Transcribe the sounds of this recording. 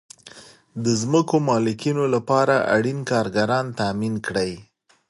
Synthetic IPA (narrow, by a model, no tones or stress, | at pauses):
d̪əzməkomɑlɪkinolapɑɾaʔa̰ɽinkɑɾɡaɾɑnt̪aminkɽəj